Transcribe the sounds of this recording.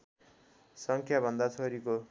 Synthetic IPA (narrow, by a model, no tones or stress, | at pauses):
sʌŋkʰjabʱʌnd̪at͡sʰoɾiko